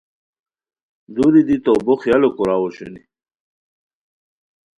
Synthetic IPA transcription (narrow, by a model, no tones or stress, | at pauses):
d̪uɾid̪it̪oboxjalokuɾaːwoɕṵnḭ